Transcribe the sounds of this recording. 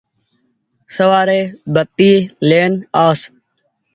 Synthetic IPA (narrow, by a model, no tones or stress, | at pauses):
səʋaːɾeːbək̚t̪iːleːnaːs